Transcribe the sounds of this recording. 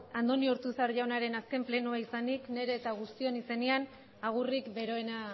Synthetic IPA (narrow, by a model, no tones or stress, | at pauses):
and̪o̞nioɾt̪usaɾʝawnaɾe̞naske̞mple̞nuaisanikne̞ɾe̞ːt̪aɣ̞ust̪io̞nise̞nian | aɣ̞urikbe̞ɾo̞e̞na